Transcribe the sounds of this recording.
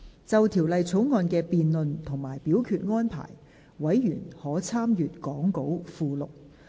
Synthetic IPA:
t͡sɐ˨wt̪ʰiː˨˩wlɐ˨jt͡sʰo˨˥wŋɔː˨˧nkɛː˧piː˨˧nlɵ˨nt̪ʰʊ˨˩ŋmaː˨˩jpiː˨˥wkʰyː˧t̚ŋɔː˥npʰa̰ː˨˩j | wɐ˨˥jːyː˨˩nhɔː˨˥t͡sʰaː˥mjyː˨t̚kɔː˨˥ŋko˨˥wfuː˨˧lʊ˨k̚

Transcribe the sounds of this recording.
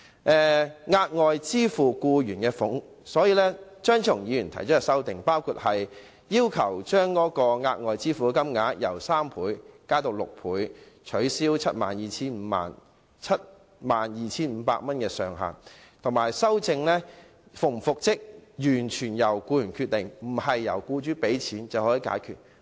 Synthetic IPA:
ʔɛː˨˧ŋaː˧t̚ŋɔː˨˧jt͡siː˥fuː˨˩kuː˧jyː˨˩nkɛː˧fʊ˨˥ŋ | sɔː˨˥jiː˧lɛː˥t͡ʃœː˥ŋt͡sʰʊ˨˩ŋjiː˨˧jyː˨˩nt̪ʰɐ˨˩jt͡ʃɔː˨˥ɛ˧sɐ˥wt̪ɪ˨ŋpaː˥wkʰuː˧t̚hɐ˨j | jiː˥wkʰɐ˨˩wt͡ʃœː˥ŋkɔː˨˥kɔː˧ŋaː˧t̚ŋɔː˨˧jt͡siː˥fuː˨˧kɐ˥mŋaː˨˥t̚jɐ̰˨˩wsaː˥mpʰuː˨˥jkaː˥t̪o˧wlʊ̰˨k̚pʰuː˨˥jt͡ʃʰɵ˨˥ɥsiː˥wt͡sʰɐ˥t̚ma̰ː˨njiː˨t͡sʰiː˥n̩˨˧ma̰ː˨n | t͡sʰɐ˥t̚ | maː˨njiː˨t͡sʰiː˥nm̩˨˧˦pa̰ː˧k̚mɐ˥nkɛː˧sœː˨ŋɦa̰ː˨nt̪ʰʊ˨˩ŋmaː˨˩jsɐ˥wt͡sɪ˧ŋlɛː˥ | fʊ˨˩ŋfʊ˨k̚t͡sɪ˥k̚jyː˨˩nt͡ʃʰyː˨˩njɐ˨˩wkuː˧jyː˨˩nkʰyː˧t̚t̪ɪ˨ŋm̩˨˩ɐ˨jːɐ̰˨˩wkuː˧t͡ʃyː˥pe˨˥jt͡sʰiː˨˥nt͡sɐ˨whɔː˨˥jiː˧˥ka̰ː˨˥jkʰy̰ː˨˩t̚

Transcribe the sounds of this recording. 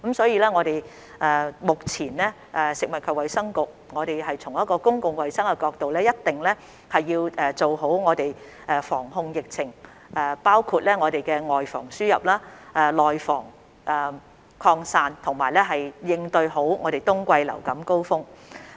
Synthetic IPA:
kɐ˨˥msɔː˨˥jiː˧lɛː˥ŋɔː˨˧ɾe˨j | ʔɛː˨˩mʊ˨k̚t͡sʰiː˨˩nlɛː˥ | ʔɛː˨sɪ˨k̚mɐ˨t̚kʰɵ˨˧wɐ˨jsɐ˥ŋkʊ˨k̚ŋɔː˨˧ɾe˨jɦɐ˨jt͡sʰʊ˨˩ŋjɐ˥t̚kɔː˧kʊ˥ŋkʊ˨˧ŋwɐ˨˩jsɐ˥ŋkɛ˧kɔː˧k̚t̪o˨wlɛː˥jɐ˥t̚t̪ɪ˨ŋlɛː˥ | hɐ˨jːiː˧wʔɛː˨t͡so˨wɦo˨˥wŋɔː˨˧t̪e˨j | ʔɛː˨˧fɔː˨˩ŋɦʊ˧ŋjɪ˨k̚t͡sʰɪ˨˩ŋ | ɛː˨˩paː˥wkʰuː˧t̚lɛː˥ŋɔː˨˧ɾe˨˩jkɛː˧ŋɔː˨jfɔ̰ː˨˩ŋsyː˥jɐ̰˨p̚laː˥ʔɛː˨˧lɔː˨jfɔ̰ː˨˩ŋ | ʔɛ˨˩ | kʰɔː˧ŋsaː˧nt̪ʰʊ˨˩ŋmaː˨˩jlɛː˥ɦɐ˨jjɪ˧ŋt̪ɵ˧ɥɦo˨˥wŋʔɔː˨˧ɾe˨jt̪ʊ˥ŋkʷɐ˧jlɐ̰˨˩wkɐ˨˥mko˥wfʊ˥ŋ

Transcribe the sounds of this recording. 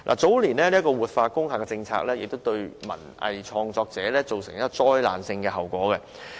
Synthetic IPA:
lʔa̰ː˨˩t͡so˨˥wliː˨˩nlɛː˦˥liː˥kɔː˧wuː˨t̚faː˧kʊ˥ŋhaː˨kːɛː˧t͡sɪ˧ŋt͡sʰa̰ː˧k̚lɛː˥jɪ˨k̚t̪wt̪ɵ˧ɥmɐ̰˨˩nɐ̰˨jt͡ʃʰɔː˧ŋt͡sɔː˧k̚t͡sɛː˨˥˦lɛː˥t͡so˨wsɪ˨˩ŋjaː˥kɔː˧t͡sɔː˥jla̰ː˨nsɪ˧ŋkɛː˧ɦɐ˨˩wkʷɔː˨˥kɛ˧

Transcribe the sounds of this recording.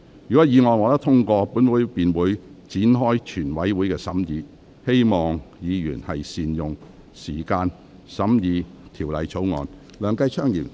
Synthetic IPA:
jyː˨kɔː˨˥jiː˨˧ŋɔː˨jŋɔː˨˧t̪ɐ˥t̪ʰʊ˥ŋkɔː˧puː˨˥nwuː˨˥jpiː˨nwuː˨˥jt͡siː˨˥nɦɔː˥jt͡ʃʰyː˨˩nwɐ˨˥jwu˨˥jkɛː˧sɐ˨˥mjiː˨˧ | he˥jmɔː˨˩ŋjiː˨˧jyː˨˩nhɐ˨jsiː˨njʊ˨ŋ | siː˨˩kaː˧n | sɐ˨˥mjiː˨˧t̪ʰiː˨˩wlɐ˨˧jt͡sʰo˨˥wŋɔ̰ː˨n | lœː˨ŋkɐ˧jt͡ʃʰœː˥ŋjḭː˨˩m

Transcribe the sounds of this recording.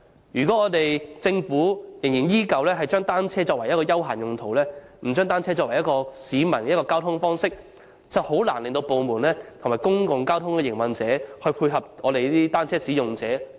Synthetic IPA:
jyː˨˩kɔ˨˥ŋɔː˨˧t̪e˨jt͡sɪ˧ŋfuː˨˥jŋjɪ˨˩njiː˥kɐ˨wlɛː˥hɐ˨jt͡ʃœː˥ŋt̪aː˥nt͡sʰɛː˥t͡ʃɔː˧k̚wɐ˨˩jɐ˥t̚kɔː˧jɐ˥wɦa̰ː˨˩njʊ˨ŋt̪ʰo˨˩wlɛː˥m̩˨˩t͡ʃœː˥ŋt̪aː˥nt͡sʰɛː˥t͡ʃɔː˧k̚wɐ˨˩jɐ˥kɔː˧siː˨˥mɐ˨˩nkɐ˥t̚kɔː˧kaː˥wt̪ʰʊ˥ŋfɔː˥ŋsɪ˥k̚ | t͡sɐ˨who˨˥wlaː˨˩nlɪ˨ŋt̪o˧wpo˨˧wmuː˨˩nlɛː˥t̪ʰmaː˨˩jkʊ˥ŋkʊ˨ŋkaː˥wt̪ʰʊ˥ŋkɛː˨˧jɪ˨˩ŋwɐ˨nt͡sɛː˨˥hɵ˧ɥpʰuː˧jɦɐ˨p̚ŋɔː˨˧ɾe˨jt̪iː˥t̪aː˥nt͡sʰɛː˥siː˨˥jʊ˨˩ŋt͡sɛː˨˥

